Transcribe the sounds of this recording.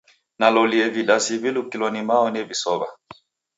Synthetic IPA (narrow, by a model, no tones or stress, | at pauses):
nalɔliɛviɗasivilukilɔnimaɔnɛvisɔβa